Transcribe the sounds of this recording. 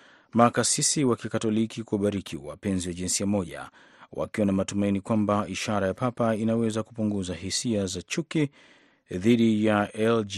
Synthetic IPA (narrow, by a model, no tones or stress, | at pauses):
makasisiwakikatɔlikikuɓaɾikʰḭwa̰pɛnziwaʄinsiamɔʄa̰ | wa̰kiwanamatumainikwambaiʃaɾajapapainawɛzakupuŋɡuzahisiazat͡ʃuki | ðiɗijaɛl